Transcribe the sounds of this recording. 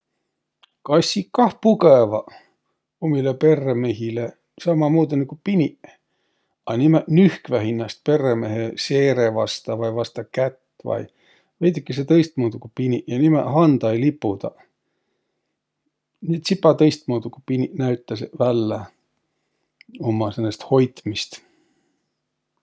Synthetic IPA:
kɑsʲːikkɑhpukevɑ | omilepe̞rːemehile | sɑmɑmuːt̪ɑnikupinʲiʔ | ɑnʲimæʔnyhkvæɦinːɑst̪̚pe̞rːemeɦeseːɾevɑst̪ɑvɑjvɑst̪ɑkæt̪ː | vɑ̰j | vejd̪ikːis̬et̪ɤjst̪muːd̪ukupinʲiʔjɑnimæʔhɑnd̪̥ɑjlipːˑud̪̥ɑ̰ | nit̪sipːˑɑt̪ɤjst̪̚muːd̪uku̥pinʲiʔnæɥt̪ˑːɑsevælːæ | omɑsenːest̪ho̞jt̪mist̪

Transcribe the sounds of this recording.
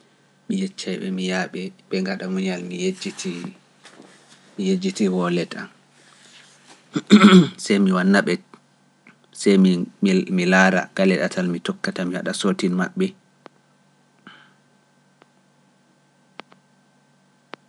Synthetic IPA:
mijɛt͡ʃːajɓɛ̰mijaɓɛɓɛŋɡaɗamuɲalmijed͡ʒitʰi | mijed͡ʒitiwɔlɛta̰n | sɛjmiwanːaɓɛ | sɛjmmilaːɾa̰ɡ̥alɛɗatʰalmitɔkːatamiwa̰ɗasoːtinmaɓːɛ

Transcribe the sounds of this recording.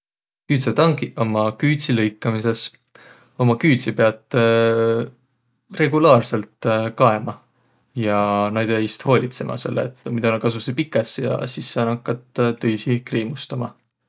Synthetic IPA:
kyːt̪set̪ɑŋɡiʔo̞mɑkyːt̪ʲsilɤjkːˑɑmise̞s | o̞mɑkyːt̪sipeɑt̪ˑ | re̞ɡulɑːrse̞lt̪kɑe̞mɑ | jɑnɑjd̪ejst̪ho̞ːlʲit̪se̞̰mʔɑ̰se̞̰lːḛḛt̪ːˑmid̪ɑnɑkɑs̬usepikːˑesjɑ̰sisːɑnɑkːˑɑt̪t̪ːɤjsikreːmust̪ɑmɑ

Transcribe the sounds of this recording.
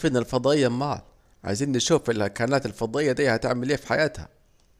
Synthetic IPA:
fɪnːalfɑd̪ˤɑːʔɪjːama̰ːl | ʕa̰ziːnːɪʃuːfɪlakaːnaːt̪ɪlfɑd̪ˤɑːʔɪjːad̪iːhat̪ɪ̰ʕmɪleːfi̥ħajaːt̪ha̰

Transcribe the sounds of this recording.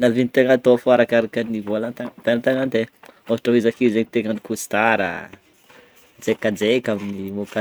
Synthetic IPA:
navinit̪eŋat̪ofoaɾakaɾakanivolant̪aŋd̪alat̪aŋand̪eofʈ͡ʂoɦizakizeɲit̪eŋənikust̪aɾə̰ | d͡zekːad͡zekaminimoka

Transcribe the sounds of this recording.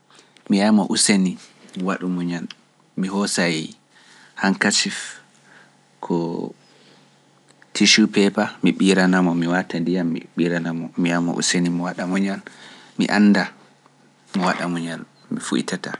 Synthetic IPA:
mijamɔ̰ʔuseniwaɗumɔɲan | miɦɔsa | haŋkat͡ʃif | kʰɔ | tʰiʃupɛpamiɓiɾanamɔmiwatandijamːḭɓiɾanamɔmijamɔ̰ʔṵsenimɔwaɗamɔɲan | mḭʔanːda | mɔwaɗamɔɲan | mifṵḭtata̰

